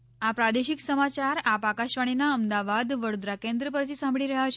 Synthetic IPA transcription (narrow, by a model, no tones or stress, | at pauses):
apɾad̪eʃɪksəmat͡ʃaɾapakaʃʋaɽ̃inaəmd̪aʋad̪ʋəɾod̪ɾakẽnd̪ɾəpəɾt̪ʰisãmbɭiɾəɦat͡ʃʰ